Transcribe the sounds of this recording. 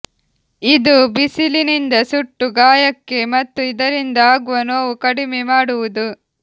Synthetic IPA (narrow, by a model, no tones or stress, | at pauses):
id̪ubisilinind̪ɐsuʈːuɡaːjɐkːe̞mɐt̪ːuid̪ɐɾind̪ɐaːɡuʋɐnoːʋukɐɽimemaːɽuʋud̪u